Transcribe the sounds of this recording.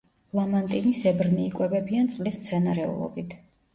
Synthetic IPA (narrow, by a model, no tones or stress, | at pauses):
lˠamant̪ʼinisɛbɾniːkʼwɛbɛbiant̪sʼlismt̪sʰɛnaɾɛṵlˠɔ̰bit̪ʰ